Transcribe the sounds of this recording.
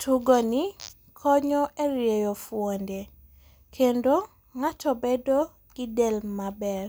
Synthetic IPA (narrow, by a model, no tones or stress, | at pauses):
tʰuɡɔni | kʰɔɲɔʔeɾjejɔfwonde | kʰendo | ŋatʰɔbedo | ɡ̥ɪdɛlmabɛr